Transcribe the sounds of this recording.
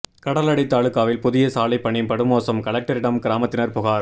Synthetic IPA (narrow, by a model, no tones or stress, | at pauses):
kɐɽɐlɐɽɪt̪ːaːɭɯkːaːʋɪlpʊðɪjɐsaːlɐɪpːɐɳːɪmpɐɽɯmoːsɐmkɐɭɐk̚ʈɐɾɪɽɐmkɪɾaːmɐt̪ːɪnɐɾpʊɣaːɾ